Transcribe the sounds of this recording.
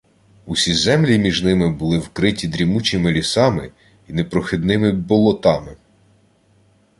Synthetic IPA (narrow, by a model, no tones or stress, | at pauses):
usʲizɛmlʲimʲiʒnɪmɪbʊlˠɪwkɾɪtʲid̪ɾʲimut͡ʃɪmɪlʲisɑmɪ | inɛpɾɔxɪd̪nɪmɪbɔlˠɔt̪ɑmɪ